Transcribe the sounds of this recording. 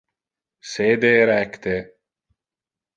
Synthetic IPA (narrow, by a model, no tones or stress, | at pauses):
seːd̪eɾɛkt̪e